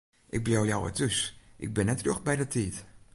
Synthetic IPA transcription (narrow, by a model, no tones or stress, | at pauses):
ʔɪɡ̚bloːjawə̰tøsʔɪ̰ɡ̚bɪnɛtroxbɛjdətʰiət